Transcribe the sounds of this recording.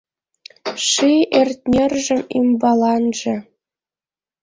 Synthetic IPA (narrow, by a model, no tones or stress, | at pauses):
ʂiʔerʲt̚ʲnʲerʲʒɘ̆mimbɑlˠɑnʐɘ̆